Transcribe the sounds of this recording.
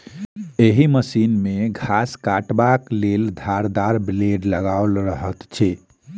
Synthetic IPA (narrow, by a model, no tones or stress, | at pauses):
eɦiməsinmeɡʱaskaʈbakleld̪ʱaɾd̪aɾbleɖləɡalɾəɦət̪t͡ʃʰɛ